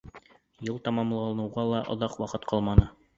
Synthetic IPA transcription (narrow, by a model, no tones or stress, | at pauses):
jɤlˠt̪ɑmɑmlˠɑlˠɤnɤ̆wʁɑlˠɑʔŏðɑqwɑqɤt̪qʰɑlˠmɑnɤ